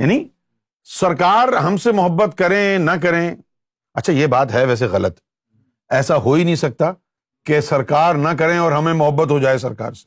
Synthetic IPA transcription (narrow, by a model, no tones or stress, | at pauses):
ja̰ːni | sɐɾkaːɾɦɐmsemʊɦəbːət̪kɐɾẽnɐk̬ɐɾẽ | ɐtːʃʰajebaːt̪ɦɛʋɛːs̬eɣɐlət̪ | ɛːsaɦoːinɐɦĩsɐk̚t̪a | kesɐɾkaːɾnɐk̬ɐɾẽɔːɾɦɐmẽmʊɦəbːət̪ɦod͡ʒaːesɐɾka̰ːɾse̥